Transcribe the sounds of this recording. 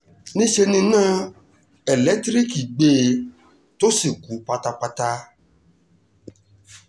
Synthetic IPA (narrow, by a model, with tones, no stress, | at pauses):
nĩ˦ʃe˧nĩ˧nãː˦ | ɛ˨lɛ˨˦tɾi˦ki˨ɡ͡be˧˦ | to˦si˦˨ɡu˨˦pa˧ta˧k͡pa˧ta˧